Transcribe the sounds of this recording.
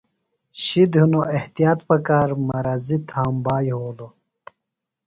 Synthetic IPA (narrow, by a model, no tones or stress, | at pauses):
ɕid̪ɦunoeht̪ijaːt̪pɐkaːɾmɐɾazit̪ʰaːmbaːjɦoːlo